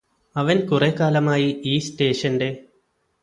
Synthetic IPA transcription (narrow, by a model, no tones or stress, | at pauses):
ɐʋɐnkurekaːlɐmaːjiiːsʈeːʂɐnɖe̞ː